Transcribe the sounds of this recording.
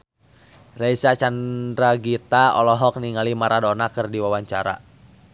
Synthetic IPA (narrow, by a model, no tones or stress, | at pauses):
rɛisat͡ʃandɾaɡit̪aɔlɔɦɔk̚niŋalimaɾʔadɔnakərdiwawaɲt͡ʃaɾa̰